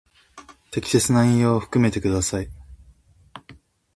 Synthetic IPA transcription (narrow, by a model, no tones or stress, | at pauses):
t̪e̞kʲi̥se̞t͡sɨnaĩɰ̃joːɸɯ̟̥kɯ̟me̞t̪e̞kɯd̪asai